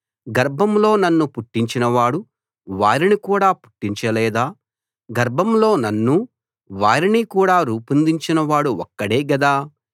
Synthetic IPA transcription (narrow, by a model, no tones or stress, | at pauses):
ɡɐɾbʱɐmlo̞ːnɐnːupuʈːiɲt͡ʃinɐʋaːɽu | ʋaːɾinikuːɽaːpu̥ʈːiɲt͡ʃɐlɛːd̪aː | ɡɐɾbʱɐmlo̞ːnɐnːu | ʋaːɾinikuːɽaːɾuːpɐnd̪iɲt͡ʃinɐʋaːɽuɔkːɐɽeːɡɐd̪aː